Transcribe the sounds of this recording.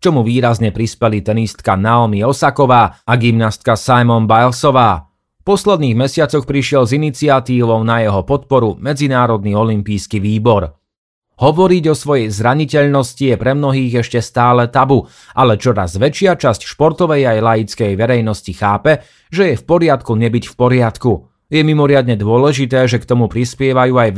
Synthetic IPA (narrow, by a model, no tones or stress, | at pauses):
kt͡ʃɔmuʋiːɾazɲɛpɾispɛlit̪ɛnist̪kanalmiɔsakɔʋaːaɡimnast̪̚kasajmɔnbajlsɔʋaː | pɔslɛd̪̚niːɣmɛsɪat͡sɔxpɾiʃɪɛlzinit͡siat̪iːʋɔʊnajɛɦɔpɔt̪̚pɔɾumɛd͡zinaːɾɔd̪niɔlimpiːskiʋiːbɔɾ | hɔʋɔɾiɟɔsʋɔjɛjzɾaɲicɛʎnɔscijɛpɾɛmnɔɦiːɣɛʃcɛst̪aːlɛt̪abu | ʔalɛt͡ʃɔɾa̰zʋɛt͡ʃɪat͡ʃascʃpɔɾt̪ɔʋɛjajlajit͡skɛjʋɛɾɛjnɔscixaːpɛ | ʒɛjɛfpɔɾɪat̪kuɲɛbicfpɔɾɪat̪ku | jɛmimɔɾɪad̪ɲɛd̪ʊɔlɛʒit̪ɛːʒɛkt̪ɔmupɾispɪɛʋajuːaj